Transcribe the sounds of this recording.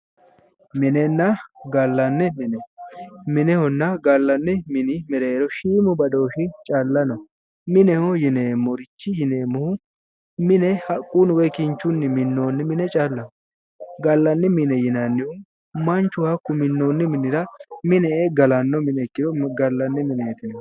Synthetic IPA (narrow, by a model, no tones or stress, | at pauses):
mɪnɛnːɐɡɐlːɐnːɛmɪnɛmɪnɛhɔnːɐɡɐlːɐnːɪmɪnɪmɛɾeːɾɔʃiːmʊbɐd̪o̞ːʃɪt͡ʃʼɐlːɐnɔ | mɪnɛhɔjɪnemɔɾɪt͡ʃːɪjɪneːmʊhʊ | mɪnɛhɐkʼːunʊwɛkɪnt͡ʃːʊnːɪmɪnːo̞ːnːɪmɪnɛt͡ʃʼalːɐnɔ | ɡɐlːɐnːɪmɪnɛjɪnɐnːɪhʊ | mɐnt͡ʃːʊhɐkːʊmɪnːoːnːɪmɪnɪɾɐmɪnɛɡɐlɐnːɔmɪnɛkːɪd̪ɔɡɐlːɐnːɛmɪneːt̪ɪnɔ